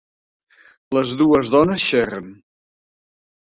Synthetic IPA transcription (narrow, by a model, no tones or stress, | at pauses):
ləzðuəzðɔnəsʃɛrən